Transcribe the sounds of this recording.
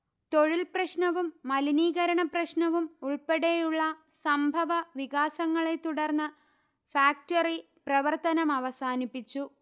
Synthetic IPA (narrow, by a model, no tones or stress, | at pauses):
t̪o̞ɻilprɐɕnɐʋumːɐliniːɣɐɾɐɳɐprɐɕnɐʋumuɭpeɽejuɭːɐsɐmbʱɐʋɐʋiɣaːsɐŋːɐɭe̞t̪uɽɐrnːɨ | faːk̚tɐri | prɐʋɐrt̪ɐnɐmɐʋɐsaːnipːit͡ɕːu